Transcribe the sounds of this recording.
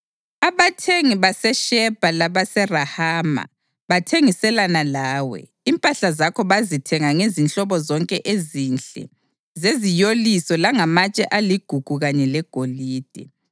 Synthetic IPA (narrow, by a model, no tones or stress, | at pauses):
aβatʰeŋiβasɛʃɛb̥ʱalaβasɛrahaːma̰ | βatʰeŋisɛlanalaːwɛ̰ | impʼaɬazakʰɔβazitʰɛŋaŋezint͡ɬʼɔβɔzɔŋkʼɛʔezint͡ɬʼɛ̰ | zezijolisɔlaŋamat͡ʃʼɛʔaliɡ̥ʱuɡ̥ʱuɣaɲɛlɛɡ̥ʱoliːd̥ʱɛ